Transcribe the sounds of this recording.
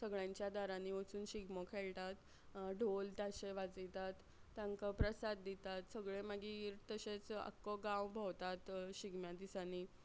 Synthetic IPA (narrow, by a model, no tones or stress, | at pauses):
səɡɭjãɲt͡ɕjad̪aɾãniːət͡suːnɕiɡmɔkʰɛɭʈat̪ | ɖolt̪aɕeʋad͡zijt̪at̪ː | ãŋkapɾəsad̪ːit̪at̪səɡɭẽmaɡiɾt̪əɕet͡sə̰kːɔɡãwbʱɔwt̪at̪ɕiɡmjãd̪isaniː